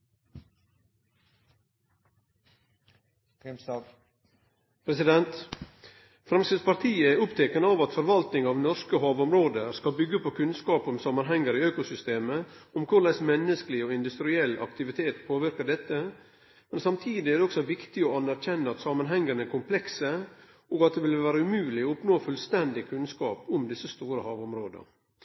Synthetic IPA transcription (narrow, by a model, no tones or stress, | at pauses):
pʰɾɛsɪd̪ɛnt̪ | fɾɑmsəspɑɾt̪ʰiːəɛʊpt̪ʰeːkənəɑʋɑt̪fɔɾʋɑlt̪nɪŋɑːʋnɔɾskəɦɑːʋʊmɾoːd̪əskɑbʏɡːəpʰoːkʰʉnskɑːpɔmsɑmənɦɛŋːəɾiøːkʊsʏst̪eːməɔmkʰʊɭæɪsmɛnːəsklɪɔɪnd̪ʉst̪ɾɪɛlːɑ̰kt̪ɪʋɪt̪ʰeːt̪pʰoːʋɪɾkəɖɛt̪ːə | mɛnsɑmt̪ʰiːd̪ɪæɾd̪ɛɔksɔʋɪkt̪ɪɔɑnæɾçɛnːəɑt̪sɑmənɦɛŋːəɾnɛɾkʰʊmpʰlɛksə | ɔɡɑt̪̚d̪ɛʋɪlʋæːɾəʉmʉːlɪɔʊpnoːfʉlst̪ɛnd̪ɪkʰʉnskɑːpʊmd̪ɪsːəst̪uːɾəhɑːʋʊmɾoːd̪ə̰